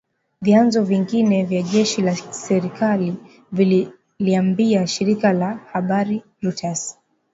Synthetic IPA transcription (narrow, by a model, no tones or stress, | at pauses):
vjanzɔviŋɡinɛvjaʄɛʃilasɛɾikali | vil | liambiaʃiɾikalahaɓaɾi | ɾutas